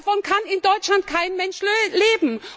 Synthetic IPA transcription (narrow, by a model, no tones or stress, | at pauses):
fɔnkʰanɪndɔʏtt͡ʃlant̚kʰaɪnmɛnʃleːbm̩